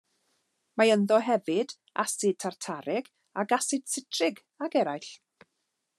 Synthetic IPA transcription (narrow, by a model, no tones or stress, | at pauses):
maənðɔɦɛvɪd | a̰sɨd̚tʰartʰaɾɪɡ̥ | aɡasɨd̥sɪtʰrɪɡ | aɡɛɾajɬ